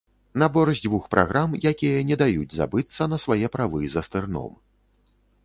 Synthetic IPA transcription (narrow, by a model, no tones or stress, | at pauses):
nɐbɔɾɐzʲd͡zʲvuxpɾʔa̰ɣɾʔamjakʲijɐnʲɛd̪ajud͡zʲza̰bɨt̪sːɐnɐsvajɛpɾavɨzɐst̪ɨrnɔ̰m